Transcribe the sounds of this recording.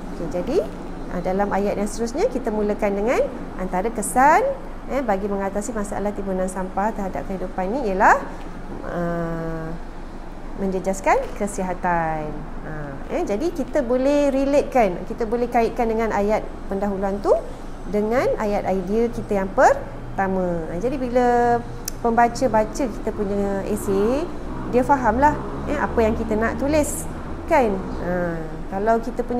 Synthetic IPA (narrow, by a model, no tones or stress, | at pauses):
oked͡ʒadi | ʔə̰dalamajat̪̚jaŋst̪əɾusɲakit̪əmuləkandəŋãn | ʔa̰nt̪aɾəkəsan | əbaɡiməŋat̪asimasaa̰laht̪ibunansampaht̪əɦada̰p̚kəɦidupanːiiəlah | ə | mə̃ɲd͡ʒəd͡ʒaskankəsiɦat̪an | a | ɛd͡ʒadikit̪əbolɛhɾilet̪̚kan̰kit̪əbolɛhkaɪt̪̚kandəŋãnajat̪̚pəndaɦuluant̪u | dəŋãnʔajat̪̚ajdiəkit̪əjaŋpər | t̪amə̃ad͡ʒadibilə | pəmbat͡ʃəbat͡ʃəki̥t̪əpuɲəese | diəfaɦamlah | əa̰pəjaŋkit̪ənãʔt̪ulɪs | kan | ə | kalawkit̪əpuɲ